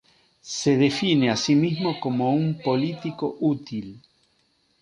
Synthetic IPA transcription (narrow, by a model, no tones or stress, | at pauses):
seðefineasimizmokomoumpolit̪ikoʔut̪il